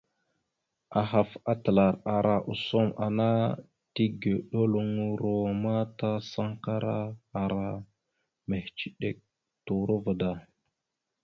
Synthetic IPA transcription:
a˨ɦa˨fa˦tə˨la˨ɾa˨ɾʔa˨ʔu˨so˦mʔa̰˨na˦ | ti˦ɡe˨ɗo˦lu˦ŋu˦ɾo˨ma˦ta˦sa˦ŋka˦ɾa˦a˨ɾa˨ | me˨ht͡ʃi˦ɗe˦k̚ | tu˨ɾu˦və˨da˨

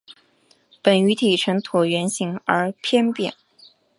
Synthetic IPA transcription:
pə˨˩ny˧˥t̪ʰi˨˩ʈ͡ʂʰə˧˥nt̪ʰu˨˩ɥɛ˧˥nɕi˧˥ŋə˞˧˥pʰjɛ˥npjɛ̰˨˩˦n

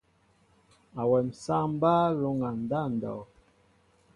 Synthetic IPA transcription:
a˨wɛ˨m̩˨sa˦m˦ba˦lo˨˦ŋa˨n˨da˦˨n˨dɔ̰˨

